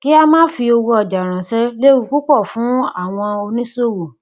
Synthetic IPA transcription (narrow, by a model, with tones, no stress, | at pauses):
ki˦a˧mãː˦fi˧o˧wo˧ɔ˧˨d͡ʒa˨ɾ̃ã˨sɛ˦le˦wu˧˦ku˦k͡pɔ˦˨fũ˨˦a˦˨w̃ɔ̃˧o˧nĩ˦so˦˨wo˨